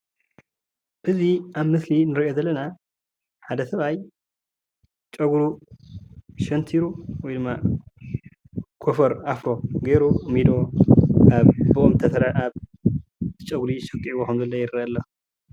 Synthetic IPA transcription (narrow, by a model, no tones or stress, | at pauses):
b̥ɨziaβmɨslinɨɾiʔo̞zɐlːɐna | ħad̪ɐsɐβaj | t͡ʃʼɐɡɾu | ʃɐnt̪ʰiɾuwɔjd̪ɨmːa | kʰofɐɾafɾo̞ɡeɾumid̪o̞ | aβbɨʔomt̪ʰɐsɐɾaaβ | t̪t͡ʃʼɐɡɾiʃɐkʼiβokʰɐmzɐlːɐjɪɾɐɐlːɐ